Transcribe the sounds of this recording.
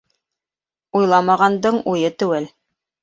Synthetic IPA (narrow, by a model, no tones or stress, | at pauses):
ujlˠɑmɑʁɑnd̪ɤɴujɤt̪ʉwɘl